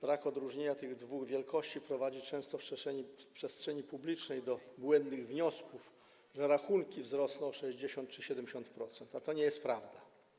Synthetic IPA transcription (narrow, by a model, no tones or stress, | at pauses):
b̥ɾakɔd̪ɾuʐɲeɲat̪ɘɣd̪vuɣvʲjɛlkɔɕt͡ɕipɾɔvad͡ʑit͡ʂɛ̃w̃st̪ɔfʂɛɛipʂɛstʂɛɲipublʲit͡ʂnɛjd̪ɔbwɛnd̪nɘɣvɲɔskuf | ʐɛɾaxuŋkʲivzɾɔsnɔ̃w̃ɔʂɛʑd͡ʑeɕɔnt̪̚t͡ʂɘɕɛd̪ɛmd͡ʑʲeɕɔ̃nt̪pɾɔt̪sɛnt̪at̪ɔɲɛjɛst̪̚pɾavd̪a